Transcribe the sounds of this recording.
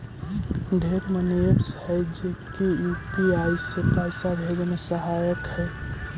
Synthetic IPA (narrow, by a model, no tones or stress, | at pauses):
ɖʱeɾmənebshəɪd͡ʒekiupiajsepaɪsabʱed͡ʒemesəɦajəkhɛ